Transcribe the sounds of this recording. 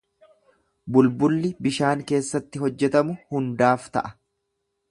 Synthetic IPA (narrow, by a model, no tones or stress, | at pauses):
bʊlbʊlːɪbɪʃaːŋke̞ːsːɐt̪ːɪɦɔd͡ʒːɛt̪ɐmʊhʊnd̪aːft̪ɐ̰ʔɐ̥